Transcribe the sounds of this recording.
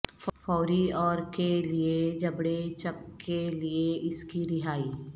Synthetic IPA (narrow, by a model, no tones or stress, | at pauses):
fɔːɾiɔːɾkelied͡ʒɐbɽet͡ʃɐkːelieʔɪskiɾɪɦaːiː